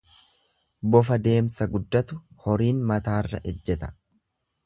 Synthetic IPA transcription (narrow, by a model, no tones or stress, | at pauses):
bɔfɐd̪e̞ːmsɐɡʊd̪ːɐt̪ʊhɔɾiːnmɐt̪aːrːɐ̰ʔɛd͡ʒːɛt̪ɐ̥